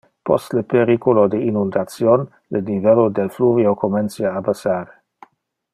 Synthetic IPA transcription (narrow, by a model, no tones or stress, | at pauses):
pɔ̰st̪lepeɾikolod̪einund̪at̪sjon | lenivɛlod̪elfluviokomensiaːbasaːɾe